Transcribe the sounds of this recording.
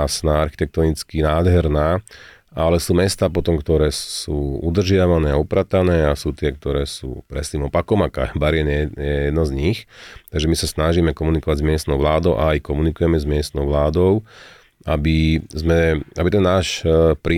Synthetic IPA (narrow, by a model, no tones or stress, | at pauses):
snaaɾxit̪ɛk̚t̪ɔnit͡skinaːd̪ɦɛɾnaː | alɛsuːmɛst̪aːpɔt̪ɔmkt̪ɔɾɛːsuːud̪r̩ʒɪaʋanɛːaupɾat̪anɛːasuːt̪ɪɛk̚t̪ɔɾɛːsṵːpɾɛ̰st̪iːmɔpakɔmaka̰baɾɪɛnɛjɛjɛd̪nɔzɲixt̪aɡʒɛmisasnaʒiːmɛkɔmunikɔʋaɟzmɪɛst̪nɔʊʋlaːd̪ɔʊʔaːjkɔmunikujɛmɛzmɪɛst̪nɔʊʋlaːd̪ɔʊ | abizmɛabit̪ɛnːaːʃpɾiː